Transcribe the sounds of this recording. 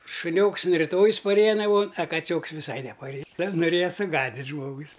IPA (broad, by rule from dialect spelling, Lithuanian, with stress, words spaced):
ʃʊˈnʲoːks ɐn rʲɪˈtoːjɪs pɐˈrʲeːjɛ nɐˈmoːn ɐ kɐˈt͡sʲoːks ʋʲɪˈsɐɪ nʲɛpɐˈrʲeːjɛ nʊˈrʲeːjɛ sʊˈɡɑːdʲɪtʲ ˈʒmoːɡʊs